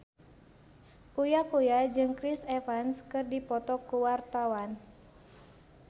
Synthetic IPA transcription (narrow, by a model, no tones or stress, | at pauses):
ʔujakujad͡ʒɨŋkɾisɛfanskɨrdipɔt̪ɔkːuwart̪awan